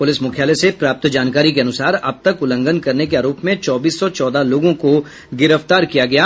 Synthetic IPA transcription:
pʊlɪsmʊkʰjaːlesepɾaːp̚t̪d͡ʒaːnkaːɾikeɐnʊsaːɾɐb̚t̪ɐkʊlə̃ŋɡənkɐɾnekeaːɾoːpmẽt͡ʃɔːbiːsːɔt͡ʃɔːd̪aloːɡõko | ɡɪɾəft̪aːɾkijaɡɐjaː

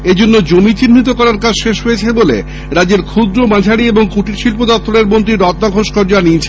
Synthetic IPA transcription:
ed͡ʑonːod͡ʑomit͡ɕinm̤it̪okɔɾaɾkad͡ʑʃeʃɦojet͡ɕʰebolḛ | ɾad͡ʑeɾkʰud̪ɾomãd͡ʑʱaɽieboŋkuʈiɾʃilpod̪ɔp̚t̪ʰːoɾeɾmont̪ɾiɾɔt̪naɡʱoʃkɔɾd͡ʑoanit͡ɕʰe

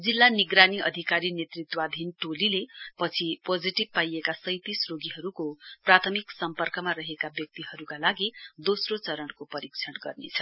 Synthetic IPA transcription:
d͡zilːaniɡɾaniʌd̪ʱikaɾinet̪rit̪wad̪ʱinʈolilepʌt͡sʰipod͡ziʈib̚pajekasʌjt̪isroɡiɦʌɾukoprat̪ʰʌmiksʌmpʌrkʌmaɾʌɦekabjʌk̚t̪iɦʌɾukalaɡid̪osrot͡sʌɾʌɳkopʌɾik̚t͡sʰʌnɡʌrnḛt͡sʰʌ̥

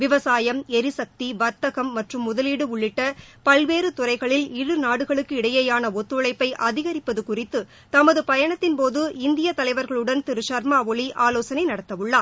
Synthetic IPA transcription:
ʋɪʋɐsaːjɐmɛɾɪsɐk̚t̪iʋɐɾt̪ɐɣɐmːɐʈrɯmːʊðɐliɽɯʊɭːɪʈːɐpɐlʋeːɾɯt̪ʊrɐɪɣɐɭɪlɪɽɯnaːɽɯɣɐɭɯkːɯɪɽɐjɐjaːnɐɔt̪ːɯɭɐɪpːɐɪʔɐðɪɣɐɾɪpːɐðɯkʊrɪt̪ːɯ | t̪ɐmɐðɯpɐjɐɳɐt̪ːɪnpoːðɯɪnd̪ɪjɐt̪ɐlɐɪʋɐɾɣɐɭɯɽɐnt̪ɪɾɯʃɐɾmaːʋɔɭiʔaːloːsɐnɐɪnɐɽɐt̪ːɐʋɯɭːaː

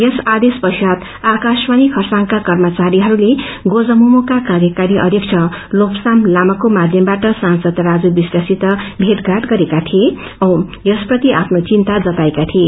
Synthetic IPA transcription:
jʌsad̪espʌsad̪ | akaswanikʰʌrsaŋkakʌrmʌt͡saɾiɦʌɾuleɡod͡zʌmumokakaɾjʌkaɾiʔʌ̰d̪ʱjʌk̚t͡sʰʌlopsamlamʌkomad̪ʱjʌmbaʈʌsansʌd̪ɾad͡zubisrasit̪ʌbʱeʈɡʱaʈɡʌɾekat̪ʰie | ʌ̃w̃jʌsprʌt̪iʔapʰnot͡sint̪ad͡zʌt̪aekat̪ʰie

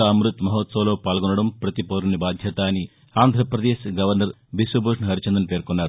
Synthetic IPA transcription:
ɐɐmɾut̪mɐɦot̪sɐʋloːpaːlɡunːɐɽɐmpɾɐt̪ipoɾunibaːd̪ʱjɐt̪aːni | aːnd̪ʱɾɐpɾɐd̪eːʃɡɐʋɐɾnɐɾ | bisʋɐboʂnɦɐɾit͡ʃɐnd̪ɐnpe̞ːɾkunːaːɾu

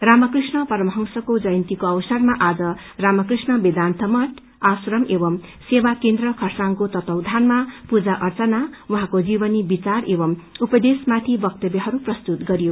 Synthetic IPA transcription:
ramʌkrisnʌpʌɾmʌɦʌŋsʌkod͡zʌjʌnt̪ikoʌbʌsʌrmaʔad͡zʌ | ramʌkrisnʌbed̪ant̪ʰʌmʌʈʰ | asɾʌmebʌm | sebakend̪rʌkʰʌrsaŋkot̪ʌt̪ʌwd̪ʱanmapud͡zaʔʌrt͡sʌnawuɦãkod͡zibʌnibit͡sarebʌmupʌd̪esmat̪ʰibʌk̚t̪ʌbjʌɦʌɾuprʌst̪ut̪ɡʌɾijo

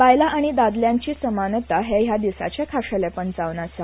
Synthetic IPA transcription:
pajlaʔaɽ̃id̪ad̪ljãɲt͡ɕiːsəmanət̪aɦejad̪isa̰t͡ɕekʰaʂəlepəɳd͡zaʋnasa

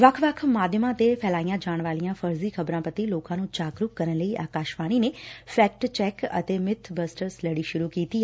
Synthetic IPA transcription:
ʋəkʰʋəkʰmaːd̪ʱjəmãːt̪epʰɛːlaːijãːd͡ʒaːɳ̃ʋaːlijãːpʰəɾziːkʰəbɾãːpət̪iːloːkãːnũːt͡ʃaːkɾʊkkəɾənləiːʔaːkaːʃbaːniːneːpʰɛːk̚ʈt͡ʃɛːkə̰t̪eːmɪt̪ʰbəsʈəɾsləɽiːʃʊɾuːkiːt̪iːɛ

